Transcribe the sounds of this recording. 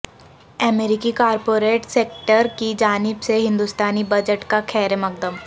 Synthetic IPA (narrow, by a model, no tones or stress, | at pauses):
əmeɾɪkikaːɾpoːɾeːʈseːk̚ʈəɾkid͡ʒaːnɪbseɦɪ̃nd̪ust̪aːnibɐd͡ʒəʈkakʰɛːɾemɐk̚d̪əm